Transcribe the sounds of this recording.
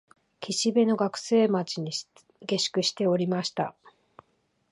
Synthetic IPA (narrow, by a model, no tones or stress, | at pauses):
kʲiɕibe̞no̞ɡakɯ̟̥se̞ːmat͡ɕiɲ̟i | ɡe̞ɕi̥kɯ̟ɕi̥t̪e̞o̞ɾʲimaɕi̥t̪a